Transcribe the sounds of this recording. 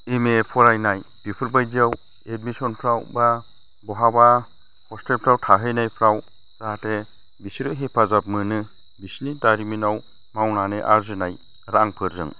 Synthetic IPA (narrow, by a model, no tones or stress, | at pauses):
emepʰɔɾajnaj | b̥ipʰɯɾbajziaw | ed̚misɔnpʰɾawba | bɔɦaba | hʰɔstelpʰɾawtʰaɦɯjnajpʰɾaw | zate | bisiɾɯɦepʰazap̚mɯnɯ | bisnidaɾiminaw | mawnaneʔaɾzɯnaj | ɾaŋpʰɯɾzɯ̰ŋ